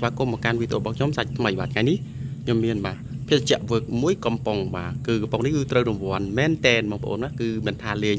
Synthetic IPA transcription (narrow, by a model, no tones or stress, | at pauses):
sʋaːkumːəkanʋit̪ʰʔoːɓɑːkʰɲomsac̚t̪ʰməjɓaːt̪ʰŋajnih | kʰɲomːiənɓaː | pʰiəst͡ɕɛ̆əʔʋəːk̚muəjkɑmpoŋɓaːkɨːkpoŋnihkɨːt̪rəwrumʋŏənmɛːnt̪ɛːnɓɑːŋpʰə̆ʔo̰ːnmaːkɨːmiənt̪ʰaːleː